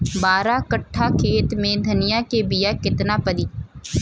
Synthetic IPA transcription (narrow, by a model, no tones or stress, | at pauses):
baːɾãːkəʈʰːaːkʰeːt̪mẽːd̪ʱənɪjãːkeːbɪjaːkɪt̪naːpəd̪iː